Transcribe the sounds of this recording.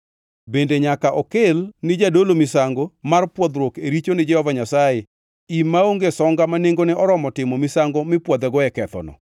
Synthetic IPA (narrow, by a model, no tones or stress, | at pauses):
bendeɲakaʔɔkɪlnɪd͡ʒadolomɪsaŋɡomarpwɔd̪ɾwokeɾit͡ʃonɪd͡ʒɛhɔvaɲasaje | imːaoŋɡesɔŋɡamaneŋɡonɛʔɔɾɔmɔtɪmomɪsaŋɡomɪpwɔd̪ɛɡɔɛkɛt̪ɔ̰nɔ̰